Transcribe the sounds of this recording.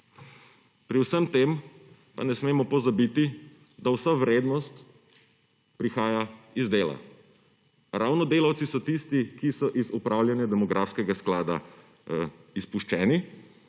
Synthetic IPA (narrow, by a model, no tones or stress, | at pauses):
pɾiwsəmt̪em | pa̰nɛsmeːmɔpɔzabit̪i | d̪awsaʋɾeːd̪nɔst̪ | pɾixaːjaizd̪eːla̰ | ɾawnɔd̪eːlawt̪sisɔt̪ist̪ikisɔʔizupɾʔawljɛnjad̪ɛmɔɡɾʔaːfskɛɡasklaːd̪a̰ | ispuʃt͡ʃɛːni